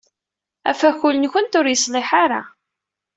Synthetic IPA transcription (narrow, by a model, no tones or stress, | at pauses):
æ̰fæçʊlənçʊnt̪ʊɾjəsˤlɪħaɾa̰